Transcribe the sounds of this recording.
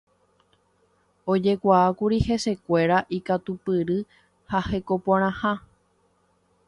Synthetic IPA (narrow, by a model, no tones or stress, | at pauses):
o̞d͡ʒe̞kʷaakuɾihe̞se̞kʷe̞ɾaʔikat̪upɨɾɨ | hahe̞ko̞pãɾ̃ãhã